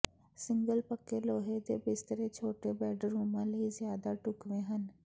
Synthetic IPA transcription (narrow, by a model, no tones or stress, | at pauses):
sɪ̃ŋɡəlpəkːeloːɦed̪ebɪst̪əɾet͡ʃʰoːʈebɛːɖɾuːmãləizjaːd̪aʈʊkʋẽɦən